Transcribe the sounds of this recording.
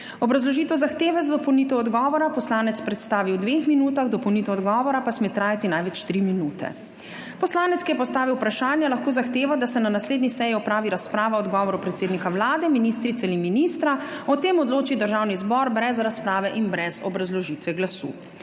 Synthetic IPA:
ɔbɾazlɔʒiːt̪ɛzaxt̪eːʋɛzad̪ɔpɔwnit̪ɛɔd̪ɡɔːʋɔɾapɔslaːnɛt̪spɾɛt̪st̪aːʋiwd̪ʋexminuːt̪aɣd̪ɔpɔwnit̪ɛɔd̪ɡɔːʋɔɾapasmet̪ɾaːjat̪inajʋɛt͡ʃt̪ɾiminuːt̪ɛ̰ | pɔslaːnɛt̪skijɛpɔst̪aːʋiwpɾaʃaːnjɛlaxkoːzaxt̪eːʋad̪asɛnanasleːd̪nisɛjiɔpɾaːʋiɾaspɾaːʋaɔd̪ɡɔːʋɔɾupɾɛt̪seːd̪nikawlaːd̪ɛminist̪ɾit̪sɛalinminiːst̪ɾaɔt̪eːmɔd̪loːt͡ʃid̪əɾʒaːwnizbɔɾbɾɛzɾaspɾaːʋɛʔinbɾɛzɔbɾazlɔʒiːt̪ʋɛɡlasṵː

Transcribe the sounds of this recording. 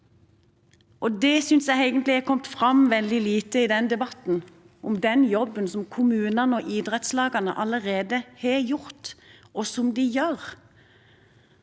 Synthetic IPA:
ʔɔd̪ɛsʏnsjæɪeɪɡənt̪lɪhækʰɔmt̪fʁɑmʋɛld̪ɪliːt̪əɪd̪ɛnd̪ɛbɑt̪n̩ | ʔɔmd̪ɛnjɔbːənsɔmkʰʊmʉːnənɔʔɪd̪ʁɛt̪slɑːɡɑnə̰ʔɑləʁeːd̪əheːjʊʁt̪ɔsɔmd̪ɪjøːʁ

